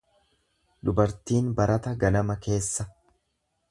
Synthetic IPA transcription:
d̪ʊbɐɾt̪iːnbɐɾʔɐt̪ɐɡɐlɐmɐke̞ːsːɐ

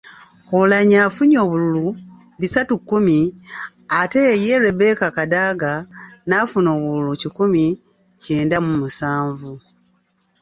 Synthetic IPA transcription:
olaɲaːfuɲo̞ːβululu | βisatukːumi | ate̞je̞ɾeβe̞kakadaɡanafuno̞ːβululucikumi | ce̞ːndamumusaːɱvu

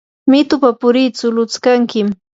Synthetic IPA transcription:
mɪt̪ʊpapʊɾɪt͡sʊlʊt͡skaŋkɪm

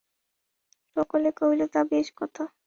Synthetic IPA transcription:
ʃɔkolekoilot̪abeʃkɔt̪ʰa

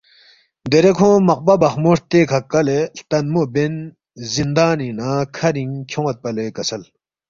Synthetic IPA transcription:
nd̪eɾekʰoŋmaχpabaχmoht̪ekʰakːaleht̪anmoɦben | zind̪aninakʰaɾiŋt͡ɕʰoŋwat̪̚palekəsʰəl

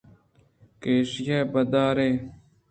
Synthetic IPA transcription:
keːʂjeːbɐd̪aːɾeː

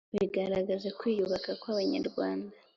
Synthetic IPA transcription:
βiɡaɾaɡazakwijuβakakwaβaɲa̰ɾɡwaːnda

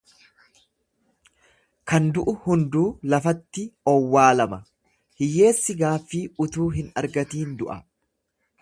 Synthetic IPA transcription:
kɐnd̪ʊʔʊhʊnd̪uːlɐfɐt̪ːɪɔwːaːlɐmɐ | hɪjːe̞ːsːɪɡaːfːiʊt̪uːɦɪnɐ̰ɾɡɐt̪iːnd̪ʊʔɐ

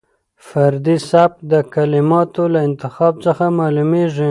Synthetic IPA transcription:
faɾd̪isap̚d̪əkalɪmɑt̪olaɪnt̪ɪxɑb̚t͡səxamɑlumeʐi

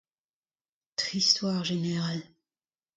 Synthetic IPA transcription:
t̪χist̪waːʁʒeneʁal

